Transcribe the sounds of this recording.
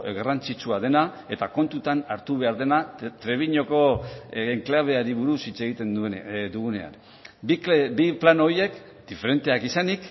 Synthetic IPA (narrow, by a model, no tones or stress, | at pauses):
ɣarant͡sit͡ʃuaðe̞na | e̞t̪ako̞nt̪ut̪anaɾt̪uβe̞aɾðe̞nat̪ɾe̞β̞iɲo̞ko̞eŋklaβ̞e̞aɾiβuɾusit͡se̞ɣ̞it̪e̞nd̪ud̪uɣune̞a̰n | bibiplano̞je̞k | d̪̥ife̞ɾe̞nt̪eakisanik